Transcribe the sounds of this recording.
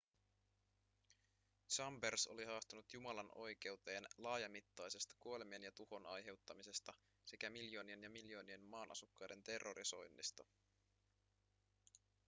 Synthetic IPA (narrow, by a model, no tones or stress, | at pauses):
t͡ʃɑmberso̞̰liɦɑːst̪unut̪jumɑlɑno̞jk̟e̞wt̪e̞ːnlɑːjɑmit̪ːɑjse̞st̪ɑ̥kuole̞mie̞njɑt̪uho̞nɑjɦe̞wt̪ːɑmise̞st̪ɑ | se̞kæmiljo̞ːnie̞njɑmiljo̞ːnie̞nmːɑːnʔɑ̰sukːɑjde̞nt̪e̞rːoɾiso̞̰jnːḭst̪ɑ